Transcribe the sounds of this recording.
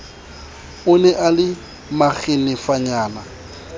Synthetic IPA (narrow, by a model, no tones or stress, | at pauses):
ʊnɛʔalɪ | maɣʰɪnɪfaɲaːna